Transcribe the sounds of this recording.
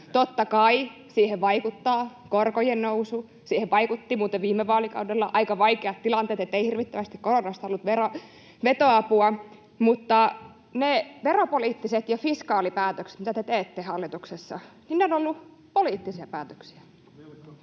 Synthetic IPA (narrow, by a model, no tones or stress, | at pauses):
t̪ot̪ːɑkɑi | siːheʋʋɑikut̪ːɑːkorkojennousu | siːheʋʋɑikut̪ːimuːt̪eʋʋiːmːeʋɑːlikɑ̰udelːɑʔɑikɑʋɑikeɑt̪t̪ilɑnt̪ˑeːt̪et̪ːeihirʋit̪ːæʋæst̪ikkoronɑst̪olːut̪ʋero | ʋet̪oɑpuɑ | mut̪ːɑ | neʋeropoliːt̪ːiset̪jɑfiskɑːlipæːt̪økse̥t̪mit̪æt̪et̪eːt̪ːehɑlːit̪uksesːɑ̰ninneonolːu | poliːt̪ːisiɑpæːt̪ø̥ksi̥æ̥